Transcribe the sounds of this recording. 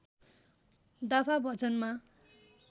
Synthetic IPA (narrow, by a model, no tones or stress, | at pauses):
d̪apʰabʱʌd͡zʌnma